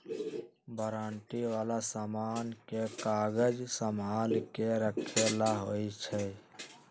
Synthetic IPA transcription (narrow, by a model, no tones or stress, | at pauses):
bəɾaːɳʈiʋaːlasamankekaɡəd͡ʒsəmalkeɾəkʰelaɦojt͡ʃʰɛ